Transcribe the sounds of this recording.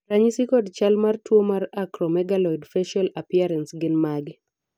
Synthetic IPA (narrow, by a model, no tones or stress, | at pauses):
ɾaɲisikɔdt͡ʃalmartwomaɾakɾɔmɛɡalɔjdfɛʃalapiaɾɛnsɡɪnmaɡ